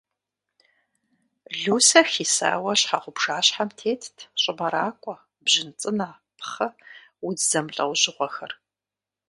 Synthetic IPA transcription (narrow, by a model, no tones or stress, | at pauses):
ɮuːsɐxiːsa̰ːwɐɕħaʁʷʊpʂaːɕħamtʰeːtʰtʰɕʼɪbɐɾaːkʷʼɔ | bʑɪnt͡sʼɨna | pʰχɐ | wudzɐmɬʼɐ̰wʑɪʁʷɔxɐr